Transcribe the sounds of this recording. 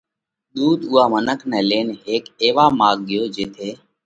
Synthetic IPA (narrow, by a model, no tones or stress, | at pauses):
ɗ̪uːd̪ʊːaːmənəkʰnɛːleːnɦeːkeːʋaːmaːɡ̚ɠɪjoːd͡ʒeːt̪ʰeː